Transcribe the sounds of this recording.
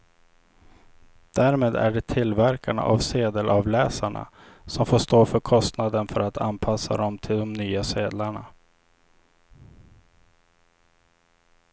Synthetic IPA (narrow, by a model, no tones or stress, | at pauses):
d̪̥æːɾmeːd̪æ̰ɖɛt̪ʰɪlvæɾkaɳa̰ʔavseːd̪əlʔɑvlɛːsaɳa̰ | sɔmfoːʂt̪oːfœɾkʰɔst̪nad̪ənfœɾat̪ʰa̰npʰasːa̰d̪ɔmt̪ʰɪld̪ɔmnyːaseːd̪laɳa̰